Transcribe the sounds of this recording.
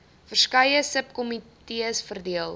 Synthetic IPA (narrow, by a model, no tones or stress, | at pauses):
fərskɐjəsəpkɔmitiəsfərdiəlˠ